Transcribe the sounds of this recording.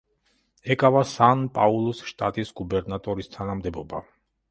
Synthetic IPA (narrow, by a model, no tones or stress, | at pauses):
ɛkʼavasanpʼaulˠɔsʃt̪ʼat̪ʼisɡubɛɾnat̪ʼɔɾist̪ʰanamd̪ɛbɔba